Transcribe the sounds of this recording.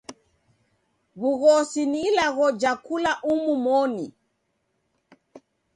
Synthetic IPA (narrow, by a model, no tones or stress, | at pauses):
ɣuɣɔsinilaɣɔd͡ʒakulaʔumumɔnḭ